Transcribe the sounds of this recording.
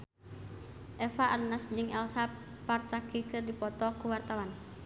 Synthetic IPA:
ʔɛfaʔalnasd͡ʒɨŋɛlsap | part̪akikɨrdipɔt̪ɔkuwart̪awan

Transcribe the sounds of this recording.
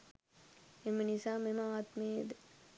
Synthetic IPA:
emɐnisaːmemɐaːt̪meːd̪

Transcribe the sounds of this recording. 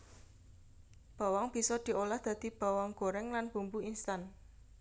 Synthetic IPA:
b̥a̤waŋb̥i̤sɔd̪̥i̤ʔolahd̪̥ä̤d̪̥i̤b̥a̤wɔŋɡ̥o̤ɾɛŋlanb̥umbuinst̪an

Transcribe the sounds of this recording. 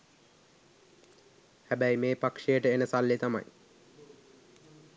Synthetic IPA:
hæbæjmeːpakʂejəʈəenəsalːet̪ama̰j

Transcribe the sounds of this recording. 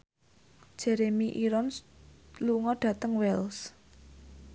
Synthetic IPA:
d̥ʒ̥ɛɾemiʔiɾɔn | luŋɔɖ̥ä̤t̪əŋwɛls

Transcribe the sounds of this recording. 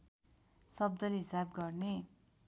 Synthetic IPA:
sʌb̚d̪ʌlɦisabɡʌrne

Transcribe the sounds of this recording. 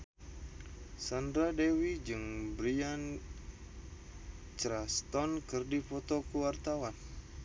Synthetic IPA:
sandɾadewid͡ʒɨŋbɾian | t͡ʃɾast̪ɔnkɨrdifɔt̪ɔkəwart̪awan

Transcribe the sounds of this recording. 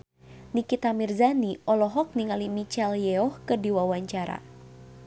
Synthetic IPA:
nikit̪amirzaniʔɔlɔɦɔk̚niŋalimit͡ʃɛljɛɔhkɨrdiwawaɲt͡ʃaɾa̰

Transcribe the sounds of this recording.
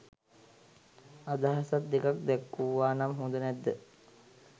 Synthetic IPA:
ad̪aɦasat̪̚ːekak̚d̪ɛkːuʋːaːnamɦũnd̪ənɛd̪ːə

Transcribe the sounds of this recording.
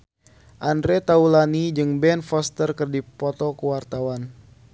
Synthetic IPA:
ʔandɾɛt̪aulanid͡ʒɨŋbɛnfɔst̪ərkɨrdipɔt̪ɔkəwart̪awan

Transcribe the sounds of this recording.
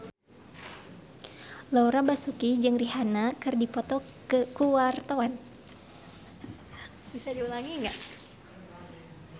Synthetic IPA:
lauɾabasukid͡ʒɨŋriɦanakɨrdipɔt̪ɔkəkuwart̪awan | bisadiulaŋiŋɡaʔ

